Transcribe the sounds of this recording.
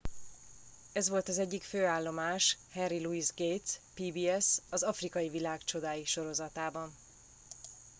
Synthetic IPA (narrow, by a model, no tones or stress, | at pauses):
ɛzʋo̞lt̪ɒzɛɟːikføːaːlːo̞maːʃhɛnriluizɡejt̪spiːbiːɛsɒzɒfrikɒjivilaːkt͡ʃo̞d̪aːjiʃo̞ɾo̞zɒt̪aːbɒn